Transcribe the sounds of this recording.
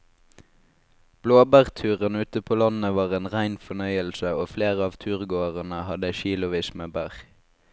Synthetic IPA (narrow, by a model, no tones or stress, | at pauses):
b̥loːbæːʁt̪ʰʉːʁənʉːt̪əpʰoːlɑnəʋɑːʁeːnʁæɪnfɔnœʏəlsəoːfleːʁəɑːʋt̪ʰʉːʁɡoːəʁənəhɑd̪əəʃiːlʊʋiːsmeːbæːʁ